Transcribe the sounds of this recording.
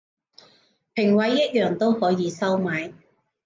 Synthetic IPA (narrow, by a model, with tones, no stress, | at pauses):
pʰɪ˨˩ŋwɐ˨˧˥jːɐ˥t̚jœː˨ŋt̪o˥whɔː˨˥jiː˨˧sɐ˥wmaː˨˧˥j